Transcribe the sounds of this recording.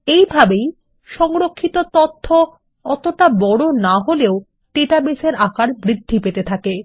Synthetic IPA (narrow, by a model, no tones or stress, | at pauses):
ejbʱabej | ʃɔŋɾokʰːit̪ot̪ot̪ʰːo | ɔt̪oʈabɔɽonaɦoleo | ʈeʈabeseɾʔakaɾbɾid̪ʱːipet̪et̪ʰake